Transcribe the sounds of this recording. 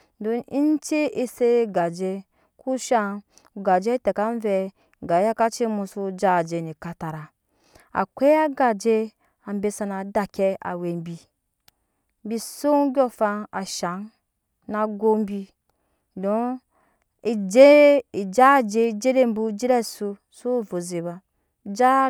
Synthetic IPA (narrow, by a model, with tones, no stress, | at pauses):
do˨˦i˦n˦t͡ʃe˦ʔi˦se˦ɡa˨d͡ʒe˦ | ku˦ʃa˦˧˨ | ɡa˨d͡ʒe˦te˨ka˦n˦ve˧ | ɡa˨˦ja˦ka˦t͡ʃe˦mu˧su˧d͡ʒa˦˨d͡ʒe˨ni˨ka˨ta˨ɾa˨ | a̰˨kʷe˦a˦ɡa˨d͡ʒe˦ | a˨m̩˦be˧˦sa˧na˨da˨ke˦a̰˨we˨m˦bi˨˦ | bi˦su˦ɡʲo˦fa˧a˨ʃa˨˦n | na˨ɡo˦m̩˦bi˧ | do˦ | i˨d͡ʒe˦i˨d͡ʒa˦˨d͡ʒe˦˧˦d͡ʒe˦ɾe˦˨m̩˦bu˦d͡ʒe˦ɾe˦˨su˧ | su˦vo˨ze˨ba˨ | d͡ʒa˦